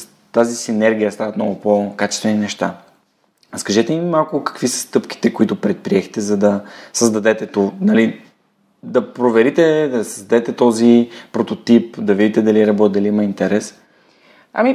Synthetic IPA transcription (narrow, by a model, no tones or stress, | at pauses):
t̪azisinɛɾɡʲijəst̪avɐt̪nɔɡʊpokat͡ʃɛ̥st̪vɛninɛʃt̪a̰ | skɐʒɛt̪ɛiimalˠkʊkə̥kvisə̥st̪ɤpki̥t̪ɛkoit̪ʊpɾɛt̪̚pɾiɛxt̪ɛzɐd̪ɐsəzd̪ɐd̪ɛt̪ɛt̪unɐli | d̪ɐpɾovɛɾit̪ɛd̪ɐsəzd̪ɐd̪ɛt̪ɛt̪ɔzipɾot̪ot̪ipd̪ɐvid̪it̪ɛd̪ɐliɛɾɐbɔt̪̚ʲd̪ɐliimɐint̪ɛɾɛs | ɐ̰mi